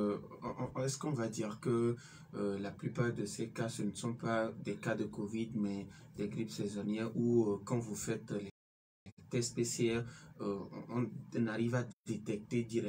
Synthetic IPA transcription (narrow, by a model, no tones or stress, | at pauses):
ɛskɔ̃vad̪iʁkə | laplypaʁd̪əsɛkasənəsɔ̃pad̪ɛkad̪əkovid̪mɛd̪ɛɡʁipsɛzɔnjɛʁukɑ̃vufɛt̪lɛ | llɛt̪ɛspeseɛ̃ | ɔ̃naʁivad̪̥et̪ɛk̚t̪ed̪iʁɛ